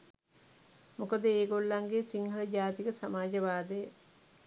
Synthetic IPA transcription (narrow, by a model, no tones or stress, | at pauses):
mukəd̪əeːɡolːaŋɡeːsiŋhələd͡ʒaːt̪ikəsamaːd͡ʒəʋaːd̪əjə